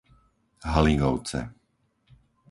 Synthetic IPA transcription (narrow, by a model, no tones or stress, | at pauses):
ɦaliŋɡɔʊt͡sɛ̰